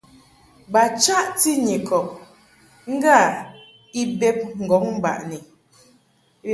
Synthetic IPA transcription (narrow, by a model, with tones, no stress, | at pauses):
ba˨t͡ʃa˦ʔti˦ɲe˨kʰɔ˨k̚ | ŋ̩˦ɡa˦˨ | i˦bɛ˦p̚ŋ̩˨ɡɔ˨˦ŋ̚m̩˦ba̰˨ʔni˨